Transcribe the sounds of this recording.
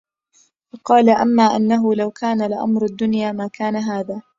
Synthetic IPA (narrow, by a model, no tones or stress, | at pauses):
fɑqɑːlaʔamːaːʔanːaɦʊlawkʰaːnalɪʔa̰mɾad̪ːʊnjaːmaːkaːnaɦaːðaː